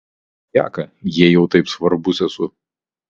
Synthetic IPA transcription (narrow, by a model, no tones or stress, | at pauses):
j̪ʲæ̰ːkɐjiɛjɛʊt̪ɐɪpsʋɐɾbʊsʲɛsʊ